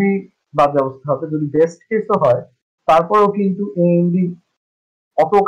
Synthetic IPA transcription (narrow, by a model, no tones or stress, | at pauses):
i | bad͡ʑbɛbost̪ʰaɦɔbed͡ʑod̪ibesʈkesoɦɔe | t̪aɾpɔɾekint̪uʔeenɖi | ɔpok